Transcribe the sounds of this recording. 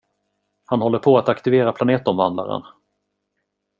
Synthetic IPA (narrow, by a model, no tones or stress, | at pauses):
hanhɔlːəɾpʰɔat̪akt̪ɪveːɾapʰlaneːt̪ɔmvand̪a̰ɾə̰n